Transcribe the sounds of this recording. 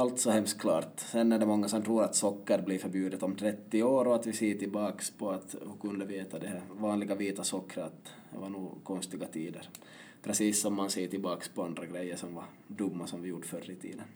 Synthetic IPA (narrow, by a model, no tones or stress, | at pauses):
alt̪sɔhɛmst̪̚kʰlɑ̰ːɾt̪sɛnːæɖɛmɔŋːasɔmt̪ʰɾuːɾat̪sɔkːəɾbliːɾfœɾbjʉːd̪ət̪ɔmt̪ʰɾɛt̪ːɪoːɾɔat̪vɪseːt̪ɪlbɑːkspʰɔat̪hʊkɵnd̪əveːt̪ad̪ɛhæɾvɑːnlɪɡaviːt̪asɔkːɾəat̪ | d̪ɛ̰vaɳuːkʰɔnst̪ɪɡat̪ʰiːd̪əɾ | pʰɾɛsiːsːɔmːanseːt̪ɪlbɑːkspɔand̪ɾaɡɾɛjːəʂɔmva | d̪ɵmːasɔmvɪjuːɖəfœrːɪt̪ʰḭːd̪ən